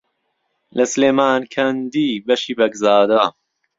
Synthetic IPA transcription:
lɐsɨleːmaːnkʰɐnd̪iːbɐʃiːbɐɡzaːd̪a

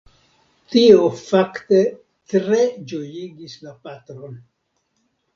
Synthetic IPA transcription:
tiofakte̞ | tɾe̞d͡ʒo̞jiɡislapatɾo̞n

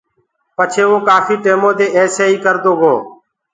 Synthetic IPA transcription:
pət͡ʃʰeːʋõːkaːfiːʈeːmõːd̪eːʔeːseːiːkəɾd̪oːɦoː

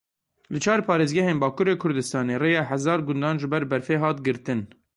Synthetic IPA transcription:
lɨt͡ʃʰɑːɾpʰɑːɾeːzɡɛɦeːnbɑːkuːɾeːkʰʊɾd̪ɨst̪ɑːneːreːjɑːɦæzɑːɾɡʊnd̪ɑːnʒɨbɛɾbɛɾfeːɦɑːt̪ɡɨɾt̪ɨn

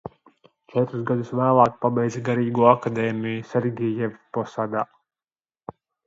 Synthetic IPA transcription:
t͡ʃɛt̪ɾusɡad̪usʋæːlˠaːkpabɛjd̪zɡaɾiːɡuɔakad̪ɛːmʲijusʲɛɾɡʲɛjɛvpɔsaːd̪a̰ː

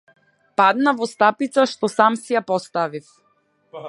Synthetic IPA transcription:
pad̪navɔst̪apit̪saʃt̪ɔsamsijapɔst̪avif

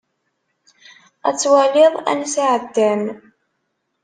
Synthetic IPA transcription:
æt͡sːwælɪðˤæ̰nsaʕəd̪ːæn

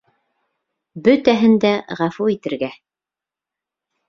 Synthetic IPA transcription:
bɵt̪æɦɘnd̪æʁɑfuit̪ɘ̆ɾɡæ

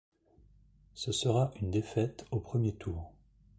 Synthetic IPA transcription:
səsəʁaʔynd̪efɛt̪opχəmjet̪ʰuːʁ

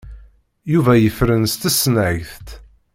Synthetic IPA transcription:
juvæjəfɾənst̪əsnæʝθt̪

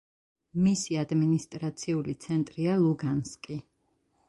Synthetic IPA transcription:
misiad̪minist̪ʼɾat̪sʰiulit̪sʰɛnt̪ʼɾialˠuɡanskʼi

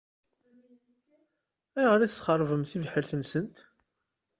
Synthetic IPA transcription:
æjʁɾiθəsχərˤvəmθivħəɾθənsənt̪

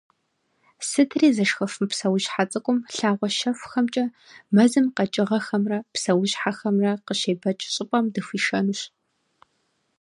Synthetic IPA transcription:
sɨtʰriːzɐʂxɐfɨmpsɐwʊʒħat͡sʼɨkʷʼʊmɬaːʁʷɔʃɐfʷxɐmt͡ʃʼɐ | mɐzɨmqɐt͡ʃʼɪʁɐxɐmrɐpsɐwʊʑħaxɐmrɐqəʃeːbɐt͡ʃʼɪɕʼɪpʼɐmdɨfʷiːʃɐnuɕ

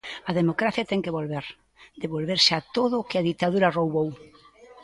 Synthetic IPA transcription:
ɐðemokɾaθjat̪ɛŋkeβolβeɾ | d̪eβolβeɾsat̪oðʊkɪaðit̪aðuɾɐrowβow

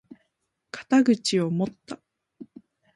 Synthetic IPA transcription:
kḁt̪aɡɯ̟t͡ɕio̞mo̞t̪ːa

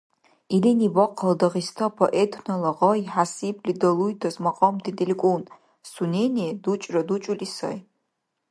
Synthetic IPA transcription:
ilinibɔqʰɐldɐʁistʰɐpʰoʔetʰnɐlɐʁɔiħasibʰlidɐlujtʰɐzmɐqʼɔmdʰidelʲkʷʼun | sunʲenʲidut͡ʃʼrɐdut͡ʃʼulisɐ̰j

